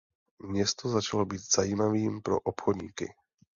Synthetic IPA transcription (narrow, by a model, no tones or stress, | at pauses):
ɲɛst̪ɔzat͡ʃalɔbiɟz̥ajiːmaʋiːmpɾɔ̰ʔɔpxɔd̪ɲḭːkḭ